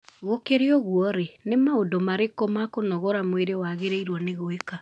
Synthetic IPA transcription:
ɣokeɾeɔɣwɔɾenemaodɔmaɾekɔmakonɔɣɔɾamweɾewaɣeɾeiɾwɔneɣoeka

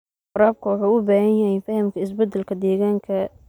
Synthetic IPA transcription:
qʊɾaːb̚kʰʊwɑħuːʊbaːhɐnjɐhɛjfɐhɐmkʰɐɪs̬bɐd̪ɐlkʰɐd̪ɛːɣaːŋkʰɐ

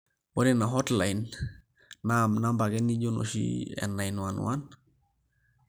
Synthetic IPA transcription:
wodinaɦɔtlainː | amnambaɡɛniɟono̰ʃḭɛ̰nːajnwanwa̰n

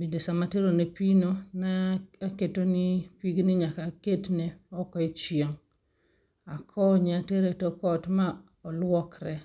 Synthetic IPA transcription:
bindesamateɾonepinonaaketonipiɡniɲakaketneɔkɔit͡ʃjɔŋ | akʰɔɲeateɾetokɔtma | ɔlwɔkɾɛ

